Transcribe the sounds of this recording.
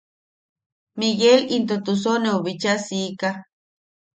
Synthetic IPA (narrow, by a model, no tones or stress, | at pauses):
miɣelint̪ot̪us̬oneoβit͡ʃasika